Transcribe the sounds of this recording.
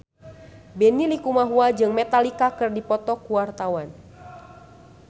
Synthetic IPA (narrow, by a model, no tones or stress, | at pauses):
bɛnilikumaɦuad͡ʒɨŋmɛt̪alikakɨrdipɔt̪ɔkuwart̪awan